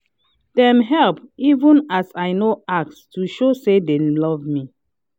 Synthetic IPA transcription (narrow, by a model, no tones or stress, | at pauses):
d̥ɛ̃mɦɛlpivũnasaɪnoak̚tstuʃosedelɔvmi